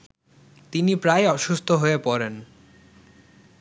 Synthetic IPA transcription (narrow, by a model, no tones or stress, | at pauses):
t̪inipɾajɔʃust̪ʰoɦoepɔɾen